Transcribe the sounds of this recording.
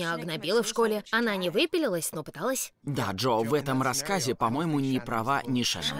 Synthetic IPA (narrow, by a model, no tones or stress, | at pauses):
aɐɡnɐbʲilˠəfʂko̞lʲɪɐnanʲɪvɨpʲɪlʲɪlˠəsʲno̞pɨ̥t̪alˠəsʲd̪aʐovɛt̪əmɾɐskazʲɪpɐmo̞jɪmʊnʲɪpɾɐvanʲɪʂɛ̰ʐə̰m